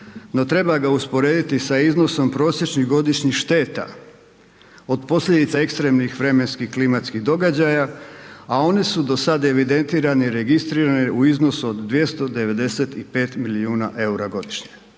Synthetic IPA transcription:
no̞t̪ɾe̞baɡauspo̞ɾeːd̪it̪isaizno̞so̞mpɾo̞ːsjet͡ʃɲiɣɡo̞d̪iʃɲixʃt̪e̞ːt̪a̰ | o̞d̪po̞sʎʲe̞d̪it̪sae̞kst̪ɾe̞ːmnixʋɾe̞me̞nskihklimat̪skiɣd̪o̞ɡad͡ʑajaao̞nesud̪o̞sad̪aeʋid̪e̞nt̪iːɾaneɾe̞ɡist̪ɾiːɾaneʔuizno̞suod̪ːʋje̞st̪o̞d̪e̞ʋe̞d̪e̞se̞t̪ipe̞ːt̪miliuːna̰ʔe̞uɾaɡo̞d̪iʃɲe̥

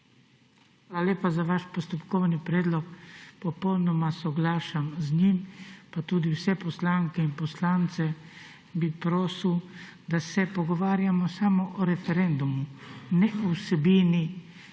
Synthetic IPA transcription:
xʋaːlalʲjeːpazaʋaʃpɔst̪ɔpkɔwnipɾɛːd̪lɔkpɔpɔwnɔmasɔɡlaːʃamzɲimpat̪uːd̪iwsɛpɔslaŋkɛinpɔslaːnt̪sɛ | bipɾoːsiw | d̪asɛpɔɡɔʋaːɾjamɔsaːmɔʔɔɾɛfɛɾɛnd̪umunɛusɛbiːni

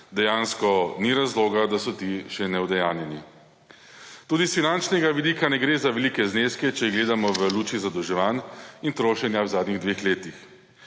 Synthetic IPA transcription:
d̪ɛjaːnskɔniɾazloːɡad̪asɔt̪iʃɛnɛwd̪ɛjaːnjɛni | t̪uːd̪isfinant͡ʃnɛɡaʋid̪iːkanɛɡɾeːzaʋɛlikɛzneːskɛt͡ʃɛɡleːd̪amɔʋəluːt͡ʃizad̪ɔwʒɛʋaːnint̪ɾoːʃɛnjawzaːd̪niɣd̪ʋeːxleːt̪ix

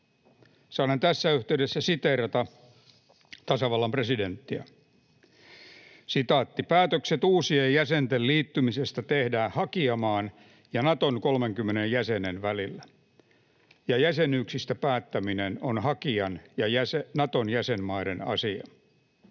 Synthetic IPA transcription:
sɑːnent̪æsːæyht̪eydesːæsit̪erɑt̪ɑ | t̪ɑsɑʋɑlːɑmpreside̞nt̪ːiæ̰ | sit̪ɑːt̪ːipæːt̪økset̪uːsiejjæsent̪elliːt̪ːymisest̪æt̪ehdæːhɑkiɑmɑːn | jɑnɑt̪oŋkolmeŋkymːenejjæsenenʋælilːæ | jɑjæsenyːksist̪æpæːt̪ːæminenonhɑkiɑnjɑjæsenɑt̪onjæsenmɑiɾenɑ̰siɑ̰

